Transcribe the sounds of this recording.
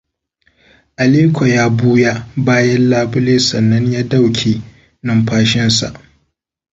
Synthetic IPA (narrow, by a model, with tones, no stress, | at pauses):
ʔa˨leː˦kʷo˨jaː˦buː˦ja˦baː˦jɛ˦nlaː˦bʊ˦leː˦sɐ˨nːɐ˦ɲjaː˦da˦˨wkʲʰeː˨ | nɐ˦mɸaː˦ʃɪ˦nsa̰˨ʔ